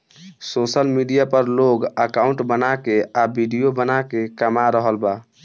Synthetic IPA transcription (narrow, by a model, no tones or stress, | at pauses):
sosəlmiɖijapəɾloɡəkauɳʈbənakeabiɖijobənakekəmaɾəɦəlba